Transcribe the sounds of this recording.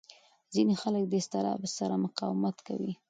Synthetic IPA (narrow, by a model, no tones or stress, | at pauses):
zinexalək̚d̪əɪst̪ɪɾɑ̰bəsaɾamʊqɑwmat̪ka̰wi